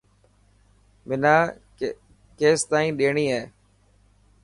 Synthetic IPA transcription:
mɪnaː | keːst̪aːĩːɗeːɳiːaː

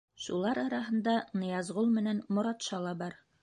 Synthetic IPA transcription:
ʃulˠɑɾɑɾɑɦɤ̆nd̪ɑnɤ̆jɑzʁolˠmɘ̆nænmŏɾɑt̪ʃɑlˠɑbɑɾ

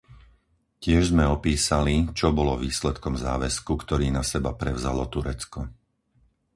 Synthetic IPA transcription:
cɪɛʒzmɛɔpiːsalit͡ʃɔbɔlɔʋiːslɛt̪kɔmza̰ːʋɛskukt̪ɔɾiːnasɛbapɾɛʊzalɔt̪uɾɛt͡skɔ

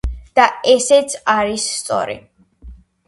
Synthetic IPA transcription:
d̪̥aɛsɛt̪sʰaɾisːt̪sʼɔ̰ɾḭ

